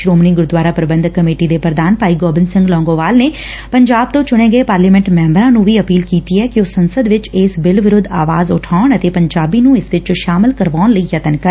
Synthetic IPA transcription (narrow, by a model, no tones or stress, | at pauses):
ʃɾoːmniːɡʊɾd̪ʋaːɾaːpɾəbə̃nd̪kːəmeːʈiːd̪eːpɾəd̪aːnpaːiːɡoːbɪnsɪ̃ŋɡlɔ̃ːŋɡõːʋaːlneː | pəɲd͡ʒaːb̚t̪õːt͡ʃʊɽ̃ẽːɡəeːpaːɾliːmɛ̃ɳʈmɛ̃ːmbɾãːnũːʋiːəpiːlkiːt̪iːɛːkɪosənsəd̪ʋɪt͡ʃɪsbɪlʋɪɾʊd̪ʱa̰ːʋaːzʊ̰ʈʰaːɳət̪eːpəɲd͡ʒaːbiːnũːɪsʋɪt͡ʃʃaːmɪlkəɾʋaːnləiːjət̪ənkə